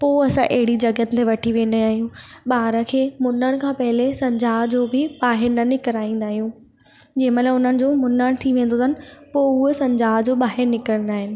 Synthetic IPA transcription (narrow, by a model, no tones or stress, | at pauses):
poːɐsãʔeɦɪɽid͡ʑɐɡən̆t̪ʰeʋɐʈʰiʋẽːnaːɦijũɓaːɾə̆kʰeːmʊnəɽ̃kʰãːpɐɦɪlesɐ̃ɲd͡ʑaːd͡ʑoːbɪɓaːɦɪɾnɐnɪkəɾaːĩn̆d̪aːɦijũː | d͡ʑɐɦɪ̃məlaʊn̤ənɪ̆d͡ʑoːmʊnəɽ̃t̪ʰiʋẽːn̆d̪ot̪ʰaənɪ̆poːʊɦesɐ̃ɲd͡ʑaːd͡ʑoːɓaːɦɪɾnɪkɾəɽ̃naːɦɪnɪ̆